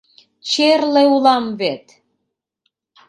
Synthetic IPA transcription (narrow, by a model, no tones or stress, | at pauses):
t͡ɕerleulɑmβet̪